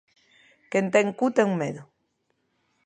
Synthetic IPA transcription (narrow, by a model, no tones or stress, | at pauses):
kent̪eŋkut̪eŋmeðu